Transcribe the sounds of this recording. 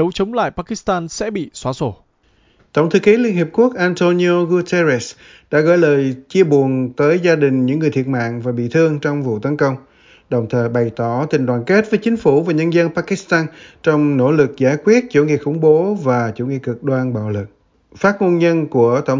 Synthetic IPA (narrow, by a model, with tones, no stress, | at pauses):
ə˨˦wt͡ɕə˨˦wŋ͡mla̰ː˧˨jpaː˧˥ki˦˥st̪aː˧nsɛ̰˧˥ɓḭ˧˨swaː˧˩so˧˩ | t̪ə˧˩wŋ͡mt̪ʰɨ˨˧˩ki˨˦li˧ənhi˨˩əp̚ku˦˥ək̚ʔaː˧nt̪o˧ni˧o˧ɣu˧t̪ɛ˧ɾɛ˦˥s | ɗa̰ː˧˥ɣɔ̰˧˨˦jləː˨˩jt͡ɕi˧əɓu˨˩ənt̪əː˨˦jzaː˧ɗï˨˩ŋ̟ɲɨ̰˧˥ŋɨ˨˩t̪ʰət̚ma̰ː˧˨ŋvaː˨˩ɓḭ˧˨t̪ʰɨ˧əŋt͡ɕɔ˧wŋ͡mvṵ˧˨t̪ə˨˦nkə˧wŋ͡m | ɗə˨˩wŋ͡mt̪ʰəː˨˩jɓa˨˩jt̪ɔ˧˩t̪ï˨˩ŋ̟ɗwaː˨˩nke˦˥t̚vəː˨˦jt͡ɕï˨˦ŋ̟fu˧˩vaː˨˩ɲə˧nzə˧npaː˧ki˦˥st̪aː˧nt͡ɕɔ˧wŋ͡mno̰˧˥lɨ˨˩k̚zaː˧˩jkwi˦˥ət̚t͡ɕṵ˧˩ŋḭ˧˨xʊ̰˧˩ŋ͡mɓo˨˦vaː˨˩t͡ɕṵ˧˩ŋi˧˨kɨ˨˩k̚ɗwaː˧nɓa̰ː˧˨wlɨ˨˩k̚ | faː˦˥t̚mo˧nɲə˧nku˧˩ət̪ə˧˩wŋ͡m